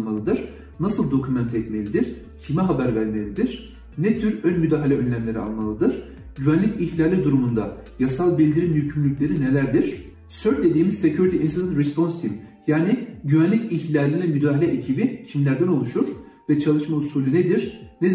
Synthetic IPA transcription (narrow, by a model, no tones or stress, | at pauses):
malˠɯd̪ɯɾ̥ | nasɯlˠd̪o̞kʰumɛnt̪ʰɛt̪melʲid̪iɾ̥ | cʰimɛɦabæɾvæɾme̞lʲid̪iɾ̥ | nɛt̪ʰyɾønmyd̪aːɦalʲɛø̞nlʲæmlʲe̞ɾia̰lˠmalˠɯd̪ɯɾ̥ | ɟyvænlʲiciçlʲalʲːid̪uɾumund̪ajasalˠbilʲd̪iɾinjycʰymlʲycʲlʲe̞ɾine̞lʲæɾd̪iɾ̥ | søɾ̚d̪e̞d̪iːmiz̥secʰuɾit̪ʰiinsd̪ɛnɾɛspo̞nst̪ʰim | jaːniɟyvænlʲiciçlʲalʲinlʲɛmyd̪aːɦalʲɛʔecʰibicʰimlʲæɾd̪æno̞lˠuʃuɾ̥ | vɛt͡ʃʰalˠɯʃmausuːlʲyned̪iɾnɛ